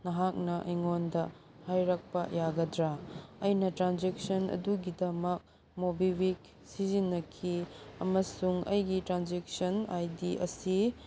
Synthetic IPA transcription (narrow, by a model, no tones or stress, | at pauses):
nɐɦak̚nɐʔɐ̰jŋondɐ | hajɾɐk̚pɐjaɡɐdɾaɐjnɐtɾanzek̚sɐnɐ̰duɡidɐmɐk̚ | mobiwik̚ | sizinːɐkʰiɐ̰mɐsuŋɐ̰jɡitɾanzek̚sɐna̰jdiʔɐ̰si